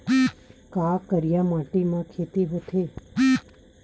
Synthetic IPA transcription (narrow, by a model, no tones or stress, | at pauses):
kakəɾjãmaʈimãkʰet̪iʋət̪ʰe